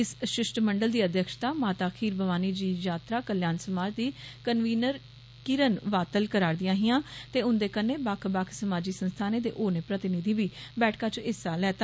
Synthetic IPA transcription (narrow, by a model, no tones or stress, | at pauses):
ɪsʃɪʃʈməɳɖəld̪iːəd̪jəkʃt̪aːmaːt̪aːkʰiːɾbəʋaːniːd͡ʒiːjaːt̪ɾaːkəljaːnsəmaːd͡ʒd̪iːkənʋiːnəɾ | kɪɾənʋaːt̪əlkəɾaːɾd̪ɪjãːɦɪjãːt̪eːʊnd̪eːkənːeːbakʰbakʰsəmaːd͡ʒiːsənst̪ʰaːneːd̪ḛːʔoːneːpɾət̪ɪnɪd̪iːbiːbɛːʈʰkaːt͡ʃɪsaːlɛːt̪aː